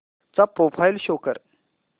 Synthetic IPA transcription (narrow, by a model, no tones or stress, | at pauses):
t͡sapɾofʰajlɕokəɾ